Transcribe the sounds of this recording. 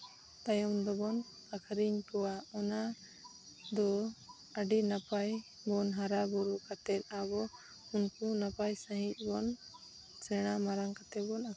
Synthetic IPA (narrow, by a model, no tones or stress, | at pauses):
t̪ajɔmd̪ɔbɔn | akʰaɾiɲkɔwaɔna | d̪ɔ | aɖinapaj | bɔnɦaɾabuɾukat̪ɛt̪̚abɔ | unkunapajsaɦic̪̚ˀbɔn | sɛɽ̃amaɾaŋkat̪ɛbɔna